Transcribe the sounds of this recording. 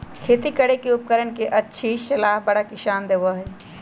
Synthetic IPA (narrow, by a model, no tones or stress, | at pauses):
kʰeːt̪ikəɽekeʊp̚kəɾəɳkeʔɐtːʃʰiʃɐlaːɦbəɽakɪʃaːnd̪eːʋaɦɛː